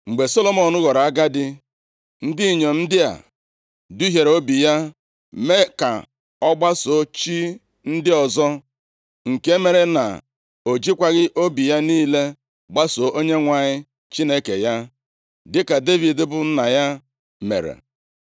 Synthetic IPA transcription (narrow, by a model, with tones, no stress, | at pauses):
ŋ͡m̩˨ɡ͡be˨so˦lo˨mɔ˨nʊ˦ɣɔ˨ɾa˨a˦ɡa˦dɪ˦ | n̩˦di˦˨ɲo˨n̩˦dɪ˦a̰˨ | du˦ɦje˨ɾo˦bi˨ja˦ | me˦ka̰˨ | ɔ˦ɡ͡ba˦so˨˦t͡ʃi˦ | n̩˦dɪ˦ɔ˨zɔ˦ | ŋ̩˨ke˦me˨ɾe˦na̰˨ | o˨d͡ʒi˦kʷa˦ɣɪ˦ʔo˦bi˨ja˦niː˦le˦ | ɡ͡ba˦so˨ʔo˦ɲe˦ŋʷa˨ɲɪ˦ | t͡ʃi˦ne˦kḛ˨ja˦ | dɪ˦ka˨de˦vi˨dɪ˦bʊ˨˦na˨ja˦ | mḛ˨ɾḛ˨